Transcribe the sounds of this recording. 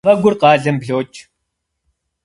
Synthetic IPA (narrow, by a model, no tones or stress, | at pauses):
ɐɡʷʊrqɑːɮɨmbɮoːt͡ʃʼ